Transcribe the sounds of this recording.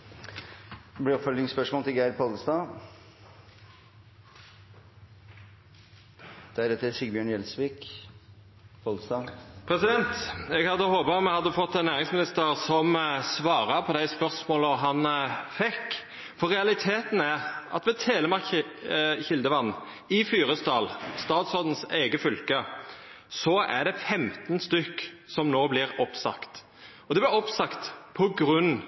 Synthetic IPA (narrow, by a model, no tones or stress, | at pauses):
blɪɔfœlɪŋspœʂmɔːlt̪ɪlɡæɪd̪pʰɔlst̪ɑː | d̪̥ɛæɾd̪ɛt̪ːəæsɪɡbjøːɳjɛlsʋiːk | pʰɔlst̪ɑːpʰɾɛsɪd̪ɛnt̪ɛɡhɑd̪ːəhoːpɑɔmːɛhɑd̪ːəfɔt̪ːɛnːæːʁɪŋsmɪnɪst̪əʁsɔmsʋɑːʁɑpʰɔd̪æɪspœʁsmoːlɔɦɑnfɛkː | fɔɾːɛɑlɪt̪ʰeːt̪n̩æʁʔɑ̰t̪ʋɛt̪ʰeːləmɑɾk | çɪld̪əʋɑnː | ɪfyːɾəst̪ɑːlst̪ɑːt̪sɔd̪n̩seːɡəfʏlkə | sɔæ̰ɖɛfɛmt̪nst̪ʏkːsɔmnoːblɪɾɔpsɑ̰kt̪ | ɔd̪ɛblɪɾɔpsɑkt̪pʰɔɡɾʉnː